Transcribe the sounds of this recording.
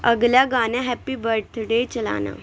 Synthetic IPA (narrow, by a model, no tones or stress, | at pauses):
əɡljaɡanjaɦɛpːiːbəɾt̪ʰɖet͡ɕəla̰na̰